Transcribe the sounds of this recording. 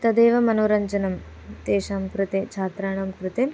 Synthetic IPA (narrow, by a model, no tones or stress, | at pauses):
t̪ɐd̪eːʋɐmɐnoːɾɐɲt͡ʃɐnɐm | t̪eːʃaːmkɾut̪et͡ʃʰaːt̪ɾaːɳɐmkɾut̪em